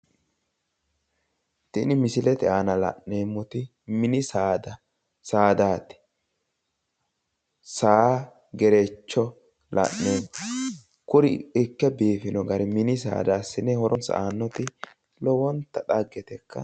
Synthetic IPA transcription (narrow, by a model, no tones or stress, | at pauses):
t̪ɪnɪmɪsɪlɛt̪ɛaːnɐlɐ̰nːeːmːɔt̪ɪ | mɪnɪsaːd̪ɐ | saːd̪aːt̪ɪ̥ | sa | ɡɛɾɛt͡ʃːɔ | lɐ̰nːeːm | kʊɾɪɪkːɛbeːfɪnɔɡɐɾɪmɪnɪs̬a̰ːd̪aːsːɪnɛhɔɾʔɔnsa̰ːnːɔt̪ɪ | lɔwɔnt̪ːɐt̪ɐɡːɛt̪ɛkʰːɐ̰